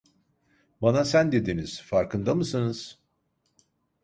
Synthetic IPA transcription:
banasænd̪e̞d̪iniz̥faɾkʰɯnd̪amɯsɯnɯz̥

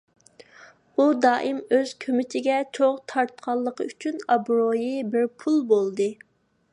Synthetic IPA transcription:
ud̪ɑːʔɨmøz̥kʲʰømɪt̪ʰɪɡʲɛt͡ʃʰoʁt̪ʰɑɾt̪̚qʰɑlˠːəqʰəyt͡ʃʰynɑbɾojɨbɪɾpʰulˠbolˠd̪ɨ

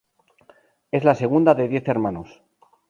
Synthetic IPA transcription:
e̞zlase̞ɣ̞und̪aðeðje̞θe̞ɾmãnos

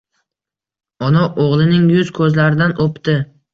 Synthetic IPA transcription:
ɒnɒʔoʁlˠɪnɪŋjʊz̥kʰɵzlaɾɪd̪anopt̪ɪ

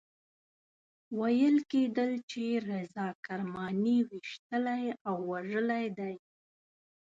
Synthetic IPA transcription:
wajəlked̪əlt͡ʃeɾezɑkaɾmɑniwiʃt̪əlajawːaʐəlajd̪aj

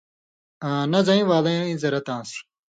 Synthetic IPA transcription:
ãnɐzɐĩʋaːlɐjãĩzɐɾɐt̪ãːs

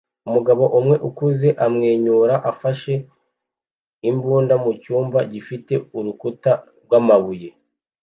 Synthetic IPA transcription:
umuɡaβo̞ʔumŋe̞ʔukuze̞ʔamŋe̞ːɲuːɾaʔafaʃe̞ | imbuːndamucuːmbaɟifite̞uɾukuta | ɡwamaβuje̞

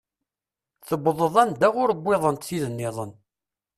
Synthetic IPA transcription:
θəbðˤəðˤænd̪æʁʊɾəbʷːɪðˤənt̪θiðənːɪðˤə̰n

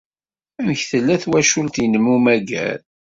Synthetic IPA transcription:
æmçθəlːæθwæʃʊlt̪jənəmːumæɡæ̰l

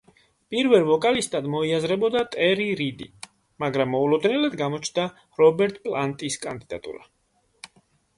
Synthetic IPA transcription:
pʼiɾvɛlˠvɔkʼalist̪ʼad̪mɔiazɾɛbɔd̪at̪ʼɛɾiɾid̪ḭ | maɡɾamːɔulˠɔd̪nɛlad̪ɡamɔt͡ʃʰnd̪a | ɾɔbɛɾt̪ʼpʼlant̪ʼiskʼand̪id̪a̰t̪ʼṵɾa

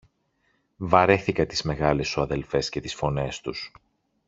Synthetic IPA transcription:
vɐɾe̞θikɐt̪izme̞ɣɐlesuɐðe̞lfe̞sce̞t̪isfo̞ne̞st̪us

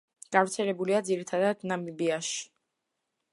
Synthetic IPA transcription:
ɡ̥avɾt̪sʰɛlɛbuliad̪ziɾit̪ʰad̪ad̪namibiaʃi̥

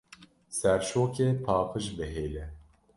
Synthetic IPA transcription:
sɛɾʃoːkɛpʰaːpʰɨʒbɛɦeːlɛ

